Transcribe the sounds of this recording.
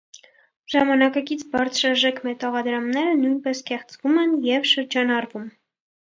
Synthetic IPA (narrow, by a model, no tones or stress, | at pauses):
ʒ̥ɑmɑnɑkɑkit͡sʰbɑɾt͡sʰɾɑʒɛkʰmɛt̪ɑʁɑd̪ɾɑmnɛɾənujnpɛskɛχt͡svumɛnjɛvʃəɾd͡ʒɑnɑɾvum